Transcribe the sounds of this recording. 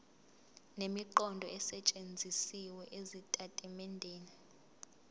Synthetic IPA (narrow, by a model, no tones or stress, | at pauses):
nemiǃɔndʱɔɛsɛt͡ʃʼend͡zʱisiwɛʔezitʼatʼimɛndʱeːni